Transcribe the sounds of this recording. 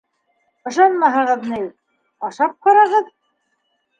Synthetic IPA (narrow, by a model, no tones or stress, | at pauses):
ɤ̆ʃɑnmɑɦɤ̆ʁɤ̆ðnɘj | ɑʃɑp̚qɑɾɑʁɤð